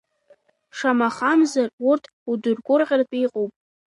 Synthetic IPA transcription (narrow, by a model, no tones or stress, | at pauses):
ʂʰamaχamzarʊrtʰ | udʊrɡʷʊrqʲʼarpʼijqʼowpʼ